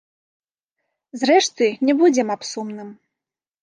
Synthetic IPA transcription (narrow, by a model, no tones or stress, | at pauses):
zɾɛʂt̪ɨnʲɛbud͡zʲɛmapsumnɨm